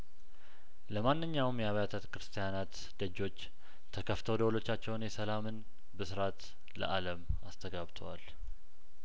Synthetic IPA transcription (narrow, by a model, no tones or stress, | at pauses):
ləmanːɨɲːawmjɛaβjat̪ʰət̪kɾɨst̪ʰijanat̪ | d̪̥əd͡ʒːo̞t͡ʃː | t̪ʰəkʰəft̪ʰəwd̪əwlo̞t͡ʃːat͡ʃːɛwnjɛsəlamɨn | bəsɨɾat̪ | lə̰ʔaləmast̪ʰəɡaβt̪ʰəwa̰l